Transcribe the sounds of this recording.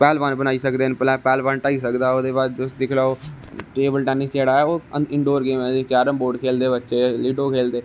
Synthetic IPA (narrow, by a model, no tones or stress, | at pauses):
pɛːlbãːnbənaːiːsəkd̪eːnplɛːpɛːlbãnʈaːiːsəkd̪aːoːd̪eːbaːd͡ʒd͡ʒʊsd̪ɪkʰlaːoː | ʈeːbəlʈɛːnɪst͡ʃeːɽaːɛːoːɪɳɖoːɾɡeːmɛ̃ːd͡ʒkjaːɾəmboːɖkʰeːld̪eːbətːʃeːliːɖoːkʰeːld̪eː